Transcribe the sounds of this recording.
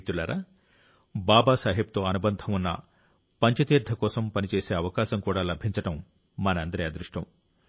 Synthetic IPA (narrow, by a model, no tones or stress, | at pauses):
t̪ulaːɾaː | baːbaːsaːɦib̚t̪o̞ːɐnubɐnd̪ʱɐmunːɐ̰ | pɐɲt͡ʃɐt̪iːɾd̪ʱɐkɔːsɐmpɐnit͡ʃeːseːɐʋɐkaːʃɐmkuːɽaːlɐbʱiɲt͡ʃɐʈɐmː | ɐnɐɐnd̪ɐɾɐjɐd̪ɾuʂʈɐm